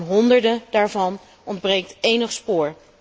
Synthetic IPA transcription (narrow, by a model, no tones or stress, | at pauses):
nɦɔndəɹdədaːɹvɑn | ɔndbrejk̚tejnəχspʊːɹ